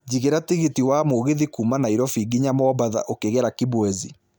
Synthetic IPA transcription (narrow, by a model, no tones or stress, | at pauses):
d͡ʑiɣeɾatiɣitiwamoɣeðikuːmanaiɾɔfiːɡiɲamɔbaða̰ʔokeɣɛɾakibwɛzi